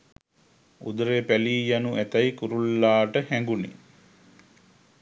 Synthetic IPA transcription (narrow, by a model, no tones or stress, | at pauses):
ṵd̪əɾepæliːjanuʔæt̪ajkuɾulːaːʈəhæŋɡunḛ